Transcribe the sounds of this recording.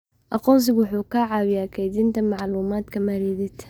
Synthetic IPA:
ʔaquns̬iɡuħukaʕawjakad̪int̪amaʕluːmaːt̪kamaɾiːd̪ɪt̪

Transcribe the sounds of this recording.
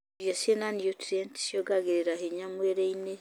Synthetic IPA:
jasienanijotɾentsjoɡaɡeɾeɾaheɲamweɾeine

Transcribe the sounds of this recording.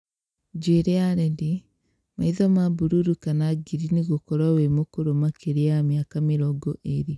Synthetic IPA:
d͡ʒweɾeaɾɛdi | maiðɔmabuɾuɾukanaɡiɾiniɣokɔɾawemokoɾomakʰeɾeamjakameɾɔɡɔʔeɾi

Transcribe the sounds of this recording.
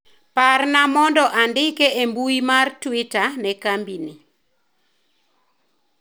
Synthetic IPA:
parnamɔndɔʔandɪkeʔembuimartwɪtanɛkambini

